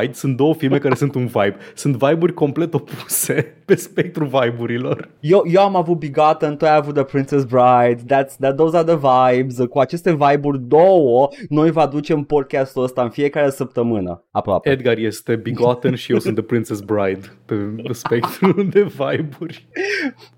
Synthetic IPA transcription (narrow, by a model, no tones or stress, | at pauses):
jd̪sunt̪̚d̪o̞wəfilme̞kaɾesunt̪unvajbsunt̪vajburʲko̞mple̞t̪o̞puse̞pe̞spe̞k̚t̪ɾulvajbuɾilo̞rjewje̞wamavut̪̚biɡat̪ənt̪uajavut̪̚d̪əpɾintsesbɾajd̪ːat̪sd̪ad̪owzaðəvajbzkuat͡ʃe̞st̪e̞vajburʲd̪owəno̞jvad̪ut͡ʃe̞mpo̞d̪̚kʲast̪uləst̪aɨnfie̞kaɾesəp̚t̪əmɨnə̰apɾoa̰peed̪ɡarje̞st̪e̞biɡat̪ənʃijesunt̪ðəpɾint̪sesbɾajd̪d̪espekt̪ɾud̪evajburʲ